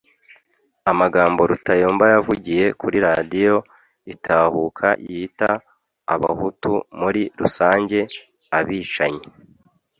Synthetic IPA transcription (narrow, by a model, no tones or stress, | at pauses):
amaɡaːmbo̞ɾutʰajoːmbajavuɟije̞kʰuɾiɾadijo̞ | itʰaːhukʰa̰jʔitaː | βa̰hutumuɾiɾusaːɲɟe̞ | aβiːt͡ʃaɲe